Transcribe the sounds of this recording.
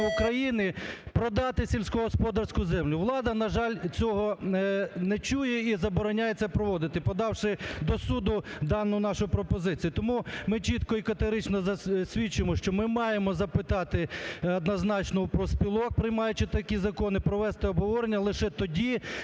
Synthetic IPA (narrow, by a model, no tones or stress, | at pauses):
ukɾɐjinɪpɾɔd̪ɑt̪ɪsʲilʲsʲkʊɦɔspɔd̪ɐrsʲkʊzɛmlʲʊʋlˠɑd̪ɐnɐʒɑlʲt͡sʲɔɦɔ | nɛt͡ʃujɛizɐbɔɾɔnʲajet͡ssʲɛpɾɔʋɔd̪ɪt̪ɪpɔd̪ɑwʃɪd̪ɔsud̪ʊd̪ɑnːʊʊnɑʃʊjʊpɾɔpɔzɪt͡sʲijʊt̪ɔmumɪt͡ʃit̪kɔikɐt̪eɦɔɾɪt͡ʃnɔzɐsʲʋʲit͡ʃʊjmɔʃt͡ʃɔmɪmɑjemɔzɐpɪt̪ɑt̪ɪɐd̪nɐznɑt͡ʃnɔwpɾɔsʲpʲilˠɔk̚pɾɪjmɑjʊt͡ʃɪt̪ɐkʲizɐkɔnɪpɾɔʋɛst̪ɪɔbɦɔʋɔɾenʲːɐlˠɪʃɛt̪ɔdʲi